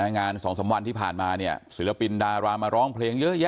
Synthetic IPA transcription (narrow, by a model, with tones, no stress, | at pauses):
ŋaː˧nsɔː˩˦ŋsa˩˦mwa˧nt̪ʰiː˥˩pʰaː˨˩nmaː˧ni˥˩ɐsi˨˩˦la˧pi˧ndaː˧ɾaː˧maː˧ɾɔː˦˥ŋpʰleː˧ŋjɤ˦˥jɛ˦˥